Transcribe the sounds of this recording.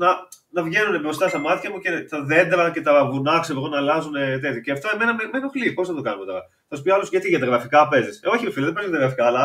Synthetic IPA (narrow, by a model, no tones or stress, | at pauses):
nɐ | nɐvʝe̞nune̞bɾo̞st̪ɐst̪ɐmɐt̪çɐmuce̞t̪ɐðe̞nd̪ɾɐce̞t̪ɐɣunɐksevɣonɐːlɐzune̞t̪et̪joceɐft̪oeme̞nɐmemenoxliposθɐt̪okɐnumet̪o̞ɾɐ̰ | θɐspioɐlosʝɐt̪iʝɐt̪ɾɣɾɐfikɐpe̞zisoçifilɐðebezjɐt̪ɣɾɐfikɐːlɐ